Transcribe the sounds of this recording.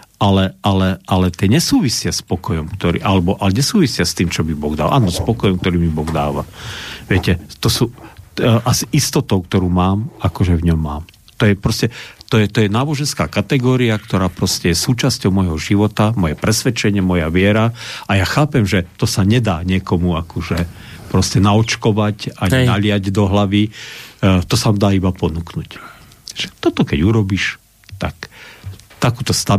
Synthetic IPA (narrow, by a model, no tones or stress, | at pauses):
alɛalɛalɛt̪ɪɛɲɛsuːʋisɪaspɔkɔjɔmkt̪ɔɾḭːʔalɛbɔʔalɛɲɛsuːʋisɪast̪iːmt͡ʃɔbibɔɣd̪a̰lʔa̰ːnɔspɔkɔjɔmk̚t̪ɔɾiːmibɔɣd̪aːʋaʋɛcɛt̪ɔsuː | ʔasiʔist̪ɔt̪ɔʊkt̪ɔɾuːmaːmakɔʒɛvɲɔmːaːm | t̪ɔjɛpɾɔscɛt̪ɔjɛt̪ɔjɛnaːbɔʒɛnskaːkat̪ɛɡɔːɾiakt̪ɔɾaːpɾɔscɛjɛsuːt͡ʃascɔʊmɔjɦɔʒiʋɔt̪amɔjɛpɾɛsʋɛt͡ʃɛɲɪɛmɔjaʋɪɛɾaajaxaːpɛmʒɛt̪ɔsaɲɛd̪aːɲɪɛkɔmuakɔʒɛ | pɾɔscɛnaɔt͡ʃkɔʋacaɲiaʎɪjaɟd̪ɔɦlaʋi | t̪ɔsamd̪aːibapɔnuknuc | ʒ̥ɛ̥t̪ɔt̪ɔkɛɟuɾɔbiʃ | t̪ak | t̪akuːt̪ɔst̪a